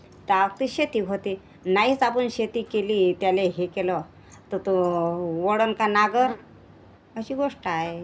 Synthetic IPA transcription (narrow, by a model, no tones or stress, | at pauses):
t̪əaʋək̚t̪iɕet̪iːɡɦot̪iː | nait͡sapuːnɕet̪iːkeliːt̪jaleɦekelɔ | t̪ət̪oʋoɽənkanaɡəɾ | əɕiːɡoʂʈəae